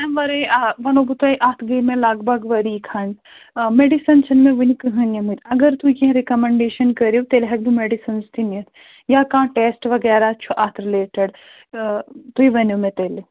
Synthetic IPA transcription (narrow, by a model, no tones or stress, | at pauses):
ɐmʋɐɾɐʋɐnobut̪ɐjʔaːt̪ʰɡɐimẽlaːɡbɐɡʋɐɾikʰɐn | meɖisɐnsɐnmẽʋɐnikɨɦɐnjɐmit̪ɐɡɐɾt̪ujɐɦɾekɐmẽɳɖeːʃɐnkɐɾot̪elɦɐɡ̚b̪umeɖisɐnst̪imijɐt̪ʰ | jakãːʈeːsʈʋɐɡɛːɾat͡ʃʰuʔaːt̪ʰɾileːʈəɖ | t̪uiʋɐnumẽt̪eːle